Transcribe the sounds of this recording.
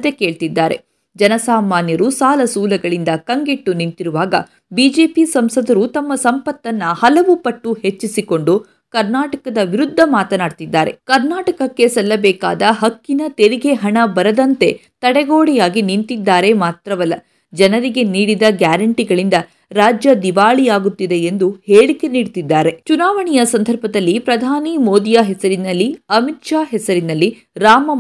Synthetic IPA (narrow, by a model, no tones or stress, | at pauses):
d̪eke̞ːɭt̪id̪ːaːɾe̞̰ | d͡ʒɐnɐsaːmaːnjɐɾusaːlɐsuːlɐɡɐɭind̪ɐkɐŋɡeʈːunint̪iɾuʋaːɡɐ̰ | biːd͡ʒe̞ːpisɐmsɐd̪ɐɾut̪ɐmːɐsɐmpɐt̪ːɐnːɐhɐlɐʋupɐʈːuhe̞t͡ʃːisiko̞ɳɖu | kɐɾnaːʈɐkɐd̪ɐʋiɾud̪ʱːɐmaːt̪ɐnaːɽt̪id̪ːaːɾe̞̰kɐɾnaːʈɐkɐkːe̞sɐlːɐbɛːka̰ːd̪ɐɦɐkːinɐt̪eɾiɡe̞ɦɐɳɐbɐɾɐd̪ɐnt̪e̞t̪ɐɽɛɡoːɽɛjaːɡinint̪id̪ːaːɾe̞maːt̪ɾɐʋɐlːɐ | d͡ʒɐnɐɾiɡeniːɽid̪ɐɡjaːɾɐɳʈiɡɐɭind̪ɐ | ɾaːd͡ʒjɐd̪iʋaːɭijaːɡut̪ːid̪e̞end̪uheːɭike̞niːɽt̪id̪ːaːɾe̞t͡ʃunaːʋɐɳijɐsɐnd̪ʱɐɾbʱɐd̪ɐlːipɾɐd̪ʱaːnimoːd̪ijaɦɛsɐɾinɐlːiɐmitʂaːɦɛsɐɾinɐlːi | ɾaːmɐ